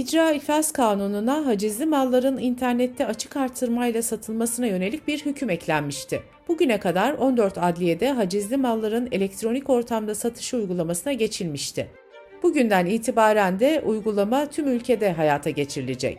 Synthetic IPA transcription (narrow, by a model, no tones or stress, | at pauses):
id͡ʒɾaːifaskʰaːnununaɦad͡ʒizlʲimalˠːaɾɯnint̪ʰæɾnɛt̪ʰːɛat͡ʃʰɯ̥kaɾt̪ʰːɯɾmajlʲˠasat̪ʰɯlˠmasɯnajø̞ne̞lʲic̚biɾhycʰymɛclʲænmiʃt̪ʰɪ | b̥uɟynɛkad̪aɾo̞nd̪øɾt̪ʰad̪lʲije̞d̪ɛɦad͡ʒizlʲimalˠːaɾɯne̞lʲɛc̚t̪ʰɾo̞nico̞ɾt̪ʰamd̪asat̪ʰɯ̥ʃɯujɡulˠamasɯnaɟe̞t͡ʃʰilʲmiʃt̪ʰɪ | b̥uɟynd̪æniːt̪ʰibaːɾænd̪ɛʔujɡulˠamat̪ʰymylʲcʰe̞d̪ɛɦajaːt̪ʰaɟe̞t͡ʃʰiɾilʲed͡ʒɛ̰c